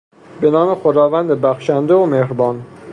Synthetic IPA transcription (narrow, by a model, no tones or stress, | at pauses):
benɒːmexod̪ɒːvænd̪ebæxʃænd̪eomehɾbɒːn